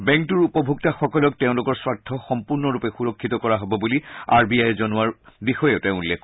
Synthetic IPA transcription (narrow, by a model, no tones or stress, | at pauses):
bɛ̃ŋk̚tuɹupɔbʱuk̚taxɔkɔlɔk̚teʊ̃lʊkɔɹswatʰːɔxɔmpuɹnɔɹupɛxuɹɔkʰːit̪ɔkɔɹaɦɔbɔbulia̰ɹbiajzɔnʊaɹbixɔjeʊteʊ̃ulːekʰ